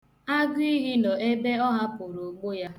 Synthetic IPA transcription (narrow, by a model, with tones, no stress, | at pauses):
a˦ɡʊ˦i˦ɣi˦nɔ˨e˦be˦ɔ˦ɦa˦pʊ˨ɾo˨ɡ͡bo˦ja˦